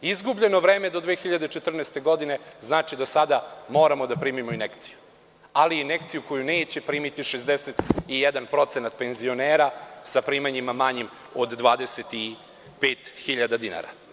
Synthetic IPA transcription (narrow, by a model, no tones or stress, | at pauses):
izɡubʎe̞no̞ʋɾe̞ːme̞d̪o̞d̪ʋeːxiʎad̪et͡ʃet̪r̩nest̪eɡo̞d̪ine̞znaːt͡ʃid̪asad̪amo̞ːɾamo̞d̪apɾiːmimo̞ine̞kt̪si̥ju | aliːne̞kt̪sijuko̞june̞ːt͡ɕe̞pɾiːmit̪iʃezd̪eset̪ijɛd̪anpɾo̞t̪senat̪̚pe̞nzio̞neːɾasapɾiːmaɲimamaɲim | od̪ːʋaːd̪e̞set̪i | peːt̪xiʎad̪ad̪ina̰ɾa̰